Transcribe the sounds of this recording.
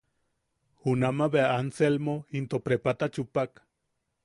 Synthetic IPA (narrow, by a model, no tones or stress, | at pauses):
unamaβeaanselmoint̪opɾepat̪at͡ʃupak